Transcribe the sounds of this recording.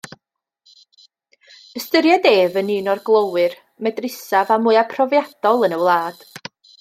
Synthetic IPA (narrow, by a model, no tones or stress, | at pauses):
əstəɾjadeːvənɨːnɔrɡlˠowɨr | mɛdrɪsavamuɨapʰrɔvjad̥ɔlˠənəwlˠaːd̥